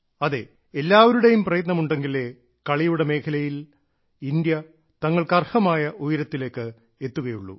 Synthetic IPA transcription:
ɐðe̞ | elːaːʋɐɾuɽejumprɐjɐt̪nɐmuɳɖe̞ŋɡile | kɐɭijuɽe̞me̞ːkʰɐlɐjil | ind̪jɐ | t̪ɐŋːɐɭkɐrhɐmaːjɐʔujɾɐt̪ːile̞ːkːɨ | et̪ːuɣɐjuɭːṵ

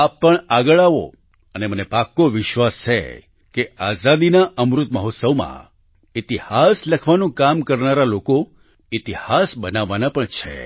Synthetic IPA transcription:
apːəɳaɡəɭaʋo̰ | ənemənepakːoʋɪʃʋast͡ʃʰḛ | keazad̪inaʔəmɾut̪̚məɦot̪səʋmã̰ | it̪ihasləkʰʋanũkamkəɾnaɾaloko | it̪ihasbənaʋːanapəɳt͡ʃʰḛ

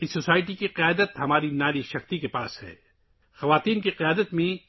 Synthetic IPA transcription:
ɪsːosaːɪʈikiqɪjaːd̪ət̪ɦɐmaːɾinaːɾiʃɐxt̪ikepa̰ːshɛ̰ː | xɐʋaːt̪iːnkiqɪjaːd̪ət̪mẽ

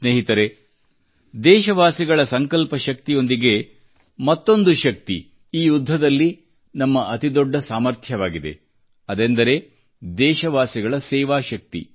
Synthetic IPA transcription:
sneːɦit̪ɐɾe | d̪ɛːʃɐʋaːsiɡɐɭɐsɐŋkɐlpɐʃɐk̚t̪ijo̞nd̪iɡe̞ | mɐt̪ːo̞nd̪uʃɐk̚t̪ḭ | iːjud̪ʱːɐd̪ɐlːi | nɐmːɐʔɐt̪id̪ɔɖːɐsaːmɐɾt̪ʰjɐʋaːɡid̪ḛ | ɐd̪end̪ɐɾe̞ | d̪ɛːʃɐʋaːsiɡɐɭɐsɛːʋaːʃɐk̚t̪ḭ

